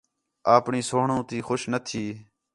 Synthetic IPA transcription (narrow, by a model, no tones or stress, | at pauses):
aːpɳiːsoːɦɳõːt̪iːxʊʃnət̪ʰiː